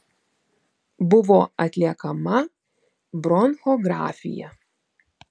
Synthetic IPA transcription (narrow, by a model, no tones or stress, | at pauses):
bʊʋoːɐt̪ʲlʲiɛkɐmɐ | bɾɔnxoːɡɾɑ̰ːfʲɪ̰jɛ̰